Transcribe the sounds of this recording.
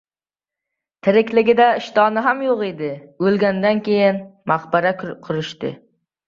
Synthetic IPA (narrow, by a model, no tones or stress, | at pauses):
t̪ʰɪɾɪkʲlɪɡʲɪd̪aɪʃt̪ɒnɪɦamjoqed̪ɪɵlˠɡʲand̪ankʲʰe̞jɪnmaqbaɾakkʰʊɾɪʃt̪ɪ̰